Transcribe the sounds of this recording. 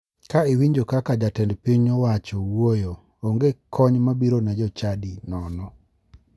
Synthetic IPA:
kaɪwiɲd͡ʒokakad͡ʒatɛndpiɲɔwat͡ʃɔwwojo | oŋɡekʰɔɲmabiɾonad͡ʒɔt͡ʃadinɔnɔ

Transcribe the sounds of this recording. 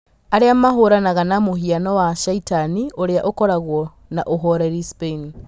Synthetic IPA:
aɾeamaɦoɾanaɣanamoɦianɔwaʃaitanioɾeaʔokɔɾaɣwɔ | naʔoɦɔɾɛɾispeini

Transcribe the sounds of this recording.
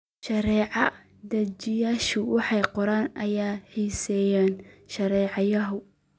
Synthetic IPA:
ʃɐɾɛːʕɑ | d̪ɐt͡ʃɪjaːʃʊwɑħɑjqɔɾaːnɐjaːħiːsɛjaːnʃɐɾɛːʕɑjɐɦʊ

